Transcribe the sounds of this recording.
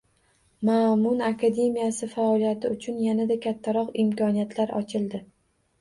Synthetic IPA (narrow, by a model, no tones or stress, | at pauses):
mamʊnakʰad̪e̞mijasɪfaɒlijat̪ʰɪʊt͡ʃʰʊnjanad̪akʲʰat̪ʰːaɾɒqɪmkʰɒnijat̪ʰlaɾɒ̰t͡ʃʰɪld̪ɪ